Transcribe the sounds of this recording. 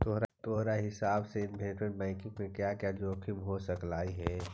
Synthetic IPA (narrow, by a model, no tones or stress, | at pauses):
t̪oɦɾat̪oɦɾaɦɪsaːbseɪnbɛːʈmẽʈbɛ̃ːkɪ̃ŋɡmẽkjakjad͡ʒoːkʰɪmɦosəklaːiɦɛː